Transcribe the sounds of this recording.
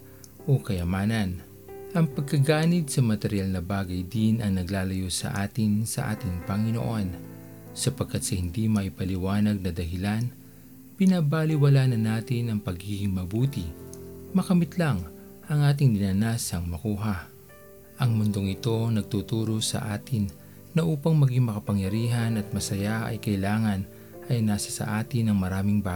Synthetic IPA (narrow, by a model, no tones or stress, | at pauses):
ʔokɐjɐmaːnɐn | ʔɐŋpɐɡ̚kɐɡaːnɪɡ̪sɐmɐt̪ɛɾɪjalnɐbaːɡɐjd̪ɪnɐŋnɐɡlaːlɐjosɐ̰ʔaːt̪ɪnsɐ̰ʔa̰ːt̪ɪŋpɐŋɪno̰ʔo̞n | sɐpɐɡ̚kːat̪̚sɐhɪnd̪imɐʔɪpɐlɪwaːnɐɡ̚nɐd̪ɐɦɪlan | pɪnɐbalɪwɐlaːnɐnaːt̪ɪnɐŋpɐɡiːɡɪŋmɐbuːt̪imɐkɐmɪt̪laŋ | ʔɐŋʔaːt̪̬ɪŋd̪ɪnaːnasɐŋmɐkuːɦɐ | ʔɐŋmʊnd̪o̞ŋɪt̪o̞nɐɡ̚t̪ut̪uːɾo̞sɐ̰ʔaːt̪ɪnː | ɐʔuːpɐŋmɐɡiŋmɐkɐpɐŋjɐɾiːɦɐnɐt̪̚mɐsɐjaʔɐ̰jkɐʔɪlaːŋɐn | ʔɐjnaːsɐ̥sɐ̰ʔaːt̪ɪnɐŋmɐɾaːmɪŋbaː